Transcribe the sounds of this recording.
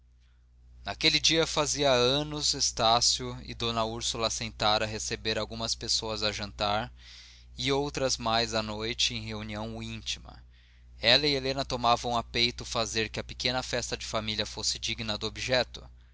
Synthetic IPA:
nakelɪd͡ʒiɐfaziɐɐ̃nʊzest̪asjʊɪ̰d̪õnɐuɾsulɐsẽnt̪aɾɐɦesebeɾawɡũmɐspesoɐzaʒɐ̃nt̪aɾ | ɪowt̪ɾɐzmajzɐnojt͡ʃɪẽj̃heuniɐ̃w̃ĩnt͡ʃimɐ̰ | ɛlɐielẽnɐt̪omavɐ̃w̃apejt̪ʊfazeɾkɪɐpe̥kẽnɐfɛst̪ɐd͡ʒɪfamiliɐfosɪd͡ʒiɡnɐd̪ʊobiʒɛt̪ʊ

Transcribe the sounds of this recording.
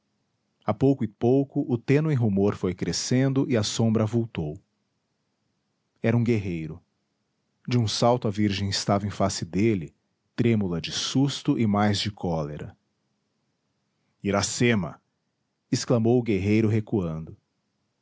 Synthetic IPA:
apowkʊɪpowkʊʔʊt̪ẽnʊẽɦumoɾfojkɾesẽnd̪ʊʔɪɐsõbɾɐvowt̪ow | ɛɾɐũɡeɦejɾʊ | d͡ʒɪũsawt̪ʊɐviɾʒẽj̃ɪst̪avɐẽfasɪd̪elɪ | t̪ɾẽmulɐd͡ʒɪsust̪ʊʔɪmajzd͡ʒɪkʰɔleɾɐ̰ | iɾasemɐ̰ | ɪsklɐmowʊɡeɦejɾʊɦekuɐ̃nd̪ʊ

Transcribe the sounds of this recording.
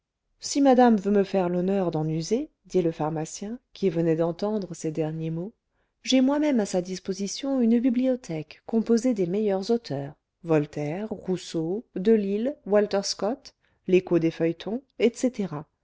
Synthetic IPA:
simad̪amvøməfɛʁlɔnœʁd̪ɑ̃nyze | d̪iləfaʁmasjɛ̃kʲʰivənɛd̪ɑ̃t̪ɑ̃d̪ʁəsed̪ɛʁnjemo | ʒɛmwamɛmasad̪ispozisjɔ̃ynbibliɔt̪ʰɛkːɔ̃pozed̪emejœʁzot̪ʰœːʁ | vɔlt̪ɛʁːusod̪əlilwalt̪ɛʁskɔt̪ | lekod̪efœjt̪ʰɔ̃ɛt̪set̪eʁa

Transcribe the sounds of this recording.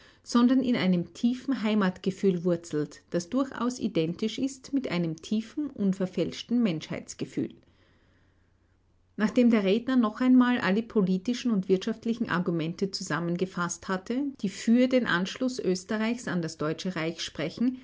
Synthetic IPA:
z̥ɔndɐnɪnaɪnəmtʰiːfn̩ɦaɪmatɡ̥əfyːlvʊɐt͡sl̩td̥asd̥ʊɐçʔa̰ʊsḭdɛntɪʃɪstmɪtʔa̰ɪnəmtʰiːfn̩ʔʊnfɛɐfɛlʃtn̩mɛnʃha̰ɪt͡sɡ̥əfy̰ːl | naːχd̥eːmdeːɐʁeːdnɐnɔχaɪnmaːlʔaləpʰoliːtɪʃn̩ʊntv̥ɪɐtʃaftlɪçn̩ʔa̰ɐɡumɛntət͡suzamənɡəfasthatʰəd̥iːfyːɐdeːnʔa̰nʃlʊsʔøːstəʁaɪçsandasd̥ɔʏt͡ʃəʁaɪçʃpʁ̥ɛçn̩

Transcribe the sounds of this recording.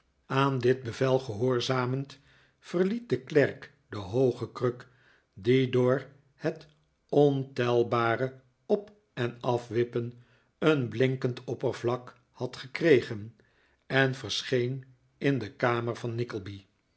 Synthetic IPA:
aːndɪd̚bəvɛlˠχəɦʊːɹzaːmənt | fərlit̚dəklɛrk | dəɦowχəkrøk | didʊːɹ | hɛt | ɔntɛlˠbaːrə | ɔp | ɛnɑfʋɪpən | ənblɪŋkəntʰɔpərvlɑk | hɑtχəkrejχən | ɛnvəɹsχejn | ɪndəkaːməɹvɑnːɪkəlˠbi

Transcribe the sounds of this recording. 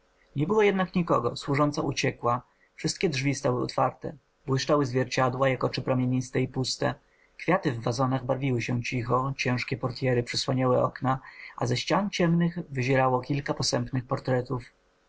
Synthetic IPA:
ɲɛbɘwɔjɛd̪nakɲikɔɡɔ̰swuʐɔnt̪saʔut͡ɕɛkwa | fʂɨst̪kʲɛdʐvʲist̪awɘɔ̰t̪faɾt̪ɛ̰ | bwɘʂt͡ʂawɘzvʲjɛɾt͡ɕad̪wajakɔt͡ʂɘpɾamʲjeɲist̪ɛipust̪ɛ | kfʲjat̪ɘvːazɔnaɣbaɾvʲiwɘɕɛt͡ɕixɔt͡ɕɛ̃ʂkʲɛpɔɾt̪ʲjɛɾɘpʂɘswaɲawɛɔ̰knaʔazɛɕt͡ɕant͡ɕɛmnɘxvɘʑɛɾawɔkʲilkapɔsɛmpnɘxpɔɾt̪ɾɛt̪uf

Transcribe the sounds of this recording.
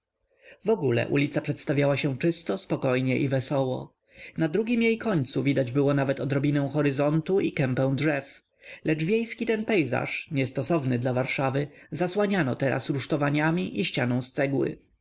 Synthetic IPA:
vɔɡulɛ̰ʔṵlʲit̪sapʂɛt̪st̪avʲjawaɕɛ̃t͡ʂɘst̪ɔspɔkɔjɲɛʔivɛsɔwɔ̰ | nad̪ɾuɡʲimjejkɔɲt̪suvʲid̪ad͡ʑbɘwɔnavɛt̪ɔd̪ɾɔbʲinɛ̃w̃xɔɾɘzɔnt̪uikɛmpɛ̃w̃dʐɛf | lɛt͡ʂvʲjejskʲit̪ɛnpɛjza̰ʂɲɛst̪ɔsɔvnɘd̪lavaɾʂavɘzaswaɲanɔt̪ɛɾʔa̰sɾuʂt̪ɔvaɲamʲiʔiɕt͡ɕanɔ̃w̃st̪sɛɡwɘ̰

